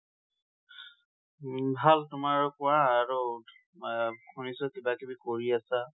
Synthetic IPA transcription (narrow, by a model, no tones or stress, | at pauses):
bʱaltʊmaɹkɔɹãːɹu | kʰunisɔkibakebikoɹiasa